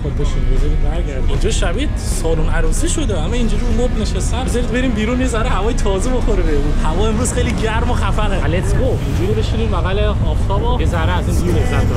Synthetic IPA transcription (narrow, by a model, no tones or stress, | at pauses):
xob̚bɔʃinɡozɔɾibæɾɡʲæɾd̪iind͡ʒɒːʃæviːd̪̥sɒːlunæɾusiʃo̞d̪eæmːæind͡ʒuɾiumobneʃest̪æmbzɒɾid̪̚be̞ɾiːmbiːɾunjezæɾehævɒːjet̪ʰɒːzeboxoɾibebuhævɒːe̞mɾuːz̥xejliɟæɾmoxæfæɣeælet̪ʰɡoind͡ʒuɾiɾobeʃiniːmmæɣælehɒft̪ʰɒːbojezæɾeæzind̪iɾezæd̪